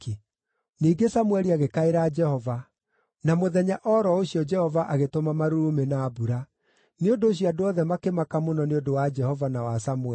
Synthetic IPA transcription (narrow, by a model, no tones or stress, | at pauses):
i | niːɡesamwɛɾiaɣekaeɾad͡ʒɛhɔva | namoðɛɲaʔɔɾɔoɕiɔd͡ʒɛhɔvaʔaɣetomamaɾoɾomenaːbuɾa | neondoːɕ̬iɔadoɔðɛmakemakamonɔneondowad͡ʒɛhɔvanawasamwɛ